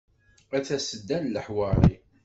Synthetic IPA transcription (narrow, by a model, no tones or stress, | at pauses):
æθæsəd̪ːænləħwəɾˤḭ